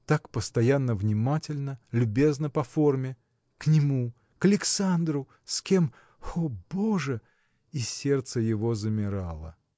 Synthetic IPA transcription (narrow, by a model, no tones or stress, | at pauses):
t̪akpəst̪ɐjanːəvnʲɪmatʲɪlʲnəlʲʊbʲe̞znəpɐfo̞rmʲɪ | knʲɪmu | kəlʲɪksand̪ɾʊ | sʲkʲe̞m | oboʐə | isʲe̞rt̪səjɪvo̞zəmʲɪɾa̰lˠə̰